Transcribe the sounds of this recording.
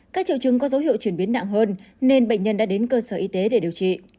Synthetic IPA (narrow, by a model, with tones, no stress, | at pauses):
kaː˦˥k̚t͡ɕḭ˧˨wt͡ɕɨ˨˧˩ŋkɔ˨˦zə˨˦wɦḭ˧˨əwt͡ɕwi˧˩ənɓi˨˦ənːa̰˧˨ŋɦəː˧n | ne˧nɓə̰˧˨jŋ̟ɲə˧nɗa̰ː˧˥ɗe˨˦nkəː˧səː˧˩ʔi˧t̪e˨˦ɗe˧˩ɗi˨˩əwt͡ɕḭ˧˨